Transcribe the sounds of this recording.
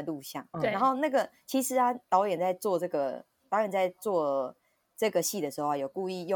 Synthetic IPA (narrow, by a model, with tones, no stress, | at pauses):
lu˥˧ɕjɑ˥˩ŋna˧˦nxo˥˧ʊna˥˩ɡə˩t͡ɕʰi˧˥ʂɻ̩˧˥a˦t̪ɑ˧˥ʊjɛ˨˩nt͡sa˥˧ɪt͡swɔ˥˧ʈ͡ʂɤ˥˩ɡə˩ | t̪ɑ˧˥ʊjɛ˨˩nt͡sa˥˧ɪt͡swɔ˥˩ | ʈ͡ʂɤ˥˩ɡə˩ɕi˥˩d̪ə˩ʂɻ̩˧˥xo˥˧a˨jo˨˩ku˥˧i˥˧jo˥˨